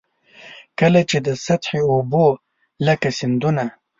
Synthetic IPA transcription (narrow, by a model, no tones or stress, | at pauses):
kəlat͡ʃed̪əsat̪ħeobo | ləkasɪnd̪una